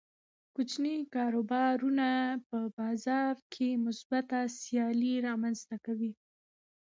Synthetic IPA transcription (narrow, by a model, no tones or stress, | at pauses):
kʊt͡ʃnikɑɾobɑɾunapəbɑzɑɾkʰemʊsbat̪asjɑliɾɑmanzt̪akawi